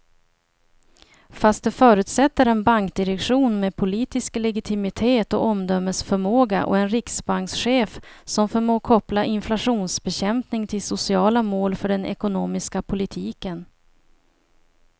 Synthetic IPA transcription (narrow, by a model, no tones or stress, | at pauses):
fast̪̚d̪ɵfœːɾʉ̟ːt̪sɛt̪ːəɾɛnbaŋk̚d̪ɪɾɛkɧuːnmeːd̪pʰʊliːt̪ɪsklɛɡɪt̪ʰɪmɪt̪ʰeːt̪ɔ̰ʔɔmd̪œmːəsfœɾmoːɡaʔɔ̰ɛnɾɪksbaŋksɧeːfsɔmfœɾmoːkʰɔplaʔɪnflaɧuːnsbɛɕɛmpnɪŋt̪ʰɪlsʊsɪɑːlamoːlfœɖɛnɛ̰kʊnoːmɪskapʰʊlɪt̪ʰiːkən